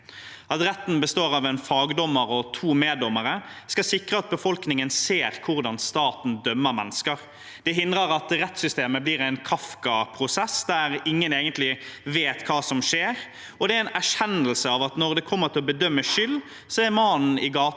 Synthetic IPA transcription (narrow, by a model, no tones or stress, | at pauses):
ʔɑt̪ɾɛt̪ːn̩bəst̪oːʁɑʋɛnfɑːɡd̪ɔmːəɾɔt̪ʰuːmeːd̪ɔmːəɾəskɑsɪkɾəɑt̪̚bəfɔlknɪŋənseːɾkʰʊʁd̪ɑnst̪ɑːt̪n̩d̪œmːəɾmɛnːəskəʁ | d̪̥ɛɦɪnd̪ɾəɾɑt̪ɾɛt̪sʏst̪eːməbliːɾæɪnkʰɑfkɑpʰɾʊsɛsd̪æɾɪŋːəneːɡənt̪lɪʋeːt̪kʰɑːsɔmʂeːɾ | ɔd̪ɛæɾɪnæʂɛnːəlsəɑʋɑt̪nɔʁd̪ɛkʰɔmːəʁt̪ʰɪlɔbəd̪œmːəʂʏlː | sɔæɾmɑːnn̩ɪɡɑː